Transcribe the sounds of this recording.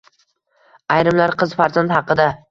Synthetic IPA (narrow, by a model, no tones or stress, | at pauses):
ajɾɪmlaɾqʰɨzfaɾzand̪hɑqɨd̪a